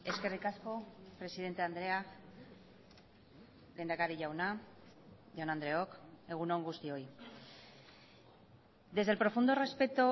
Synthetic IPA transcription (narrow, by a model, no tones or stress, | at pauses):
e̞ske̞rikasko̞pɾe̞sið̞e̞nt̪e̞and̪ɾe̞ak | lejnd̪akaɾiʝawna | ʝanand̪ɾe̞o̞ke̞ɣ̞unoŋɡust̪io̞j | d̪e̞zðelpɾo̞fund̪o̞re̞spe̞t̪o